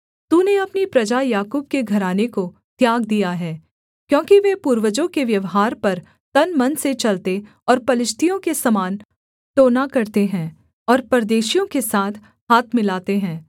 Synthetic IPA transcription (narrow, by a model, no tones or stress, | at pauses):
t̪uneɐpnipɾɐd͡ʒajaːkuːb̚keɡʱɐɾaːneko | t̪jaːɡd̪ijaɦɛː | kjõːkiʋepuːɾʋəd͡ʒõkeʋjɐʋɦaːɾpɐɾ | t̪ɐnmɐnset͡ʃɐlt̪e | ɔːɾpɐlɪʃt̪ʰijõkesɐmaːn | t̪oːnakɐɾt̪eɦɛ̃ː | ɔːɾpɐɾd̪eːʃijõkesaːt̪ʰ | haːt̪ʰmɪlaːt̪eɦɛ̃ː